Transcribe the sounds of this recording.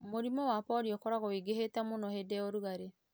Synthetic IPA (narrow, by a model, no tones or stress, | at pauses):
moɾimɔwapɔɾiokɔɾaɣɔwiɡehetamonɔhedɛoɾuɣaɾe